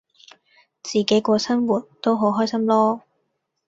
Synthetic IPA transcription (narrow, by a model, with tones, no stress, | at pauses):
t͡siː˨˩ke˨˥jkʷɔː˧sɐ˥nwuː˨˩t̚t̪o˥wɦo˨˥wɦɔː˥jsɐ˥mlɔː˥